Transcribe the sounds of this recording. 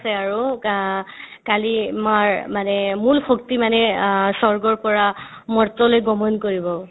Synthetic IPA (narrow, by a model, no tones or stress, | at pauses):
sɛaɹu | kalimaɹmanɛmulxok̚timanɛsɔɹɡɔɹpɔɹa | mɔɹtɔlojɡɔmɔnkoɹibɔ